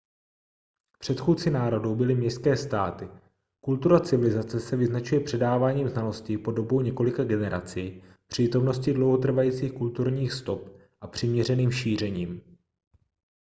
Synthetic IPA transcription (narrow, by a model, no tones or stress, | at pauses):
pr̝̥ɛt̪xuːt͡sɪnaːɾo̞dowbɪlɪmɲɛskɛːst̪aːt̪ɪ | kult̪uɾat͡sɪvɪlɪzat͡sɛsɛvɪznat͡ʃujɛpr̝̥ɛdaːvaːɲiːmznalo̞scɪpo̞do̞bo̞wɲɛko̞lɪkaɡɛnɛɾa̰t͡sij | pr̥iːt̪o̞mno̞scɪdlo̞wɦo̞t̪r̩vajiːt͡siːxkult̪uɾɲiːxst̪o̞p | ʔapr̝̥ɪmɲɛr̝ɛniːmʃiːr̝ɛɲiːm